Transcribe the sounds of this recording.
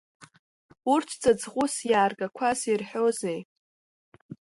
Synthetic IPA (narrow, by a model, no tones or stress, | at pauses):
urtʰt͡sʼad͡zʁʷʊsjaːrɡakʷʰazirħᶣozej